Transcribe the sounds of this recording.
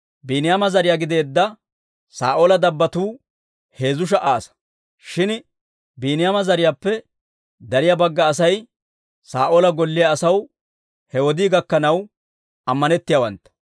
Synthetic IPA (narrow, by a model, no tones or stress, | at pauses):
biːnɪjaːmɐzɐɾɪjaːɡɪd̪e̞ːd̪ːɐ | saːʔoːlɐd̪ɐbːɐt̪uː | he̞ːzʊʃ̬ɐʔaːsɐ̥ | ʃɪn | biːnɪjaːmɐzɐɾɪjaːpːɛ | d̪ɐɾɪjaːbɐɡːɐːsɐj | saːʔoːlɐɡɔlːɪjɐːsɐw | hɛwɔd̪iːɡɐkːɐnɐw | ɐmːɐnɛt̪ːɪjaːwɐ̰nt̪ːɐ̥